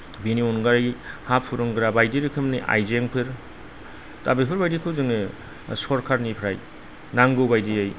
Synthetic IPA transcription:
biniɔnɡaɾajhapʰːuɾɯŋɡɯɾabajdiɾɯkʰɯmniʔa̰jzeŋpʰɯɾ | tabepʰɯɾbajdikʰɯwzɯŋe | sɔɾkʰaɾnipʰɾaj | naŋɡɯbajdiaj

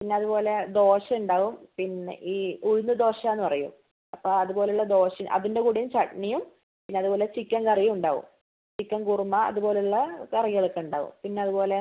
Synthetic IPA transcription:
pinːeɐðupo̞ːle̞d̪o̞ːɕɐmuɳɖaːʋumpinːḛʔiːuɻunːɨd̪o̞ːɕamenːɨpɐrɐjṵm | ɐpːoɐðubo̞ːleuɭːɐd̪o̞ːɕɐʔɐ̰ðinde̞kuːɽijumt͡ɕɐʈɳijum | pinːeɐðubo̞ːle̞t͡ɕikʲːɐnkɐrijɐuɳɖaːɣṵm | t͡ɕikʲːɐnkurumɐɐ̰ðubo̞ːleuɭːɐkɐrijɐɭokːeuɳɖa̰ːʋṵmpinːe̞ɐðupo̞ːle̞

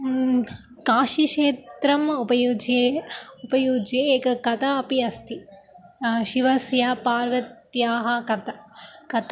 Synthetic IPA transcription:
kaːʃiʂeːt̪ɾɐmupɐjuːd͡ʒeupɐjuːd͡ʒeeːkɐkɐt̪aɐpiɐst̪ʰi | ʃiʋɐsjɐpaːɾʋɐt̪jaːɦɐ̆kɐt̪ɐkɐt̪

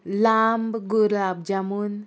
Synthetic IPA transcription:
lambɡuɾlab̚d͡ʒamun

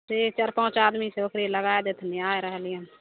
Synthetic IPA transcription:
set͡ʃəɾpãt͡ʃad̪misẽokɾeləɡaed̪et̪ʰniaeɾəɦəlijən

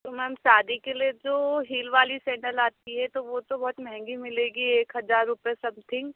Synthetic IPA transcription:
t̪omɛːmsaːd̪ikelied͡ʒoːɦiːlʋaːlisɛ̃ːɳʈəlaːt̪iɦɛt̪oʋot̪obɔɦʊt̪mɛɦɛ̃ŋɡimɪleːɡieːkɦɐzaːɾːʊpjesɐbt̪ʰɪ̃ŋɡ

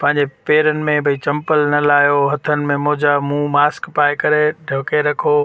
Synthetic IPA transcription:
pɐ̃ɦɪ̃ɲd͡ʑepeːɾənɪ̆mẽbʱɐit͡ɕɐ̃mpəlnɐlaːjoɦɐt̪ʰənɪ̆mẽmʊɦd͡ʑamũːmaːskpaːɪkɐɾeɖʱɐʋkeɾɐkʰoː

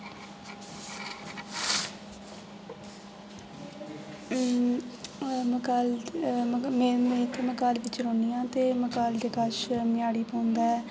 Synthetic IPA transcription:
kaːl | memẽːt̪eməkaːlʋɪt͡ʃɾõːnijãːt̪eːməkaːld͡ʒekaːʃmɪjaːɽiːpə̃ːʊ̃nd̪aːɛː

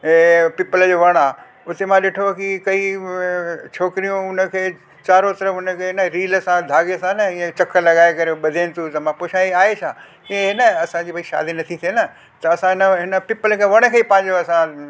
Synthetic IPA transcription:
epɪpələd͡ʑoːʋɐɽ̃aː | ʊt̪emãɗɪʈʰokikɐi | t͡ɕʰoːkɾijũʊnəkʰeː | t͡ɕaːɾot̪ɐɾəfʊnəkʰeːnəɾiːləsãd̪ʱaːɡesãnɐĩẽt͡ɕɐkʰəlɐɡaːekɐɾeɓɐd̪ʱeːnɪ̆t̪ʰũt̪ɐmãpoʃaːiaːet͡ɕʰãː | kĩẽɦɪnəɐsãd͡ʑiːpɐiʃa̰ːd̪inɐt̪ʰit̪ʰienɐ | t̪ɐɐsãɦɪnəɦɪnə̆pɪpəlkʰeːʋɐɽ̃ə̆kʰeːipãɦɪ̃ɲd͡ʑoɐsã

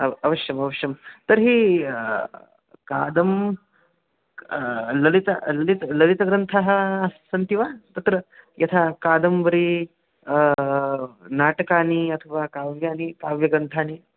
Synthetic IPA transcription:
ɐɐʋɐʂjɐmɐʋɐʃjɐmt̪əɾɦiː | ka̰ːd̪ɐm | lɐlit̪a̰lɐlit̪lɐlit̪ɐɡɾɐnt̪ʰaɦɐsɐnt̪iʋat̪ɐt̪ɾəjɐt̪ʰakad̪ɐmʋɐɾiː | naːʈɐkaːniːɐt̪ʰɐʋakaʋjaːnikaʋjɐɡɾɐnt̪ʰaːniː

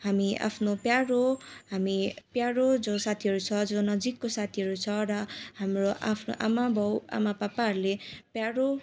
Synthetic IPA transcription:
hamia̰pʰnopjaɾoɦamipjaɾod͡zosat̪ʰiɦʌɾut͡sʰʌd͡zʌnʌd͡zikːosat̪ʰiɦʌɾut͡sʰʌrʌɦamroʔa̰pʰno̰ʔamabʱʌwa̰mapapaɦʌɾulepjaɾo

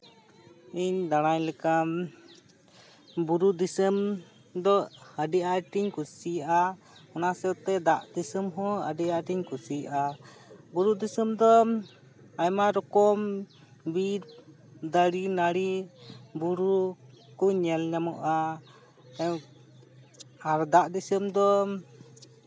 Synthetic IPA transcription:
iɲd̪aɽ̃ajlɛkam | buɾud̪isəm | d̪ɔəɖɛaʈiɲkusijʔa | ɔnasɛwt̪ɛd̪aʔd̪isəmɦɔ̃ə̰ɖɛaʈiɲkusiʔa | buɾud̪isəmd̪ɔ | ajmaɾɔkɔm | bit | d̪aɽinaɽibuɾu | kuɲɛlɲamɔʔa | aɾd̪aʔd̪isəmd̪ɔ

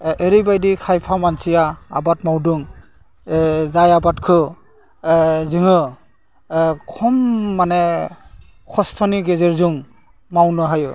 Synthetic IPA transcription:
eɾibajdikʰajpʰamansija̰ːbatmawdɯŋ | zajabatkʰɯ | zɯŋɯ | kʰɔmːanɛ | kʰɔstʰɔniɡezeɹzuŋ | mawnɯɦajɯ

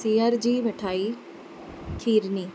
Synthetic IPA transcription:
siːaːɾd͡ʒiːʋeʈʰaːi | t̪ʰiːɾniː

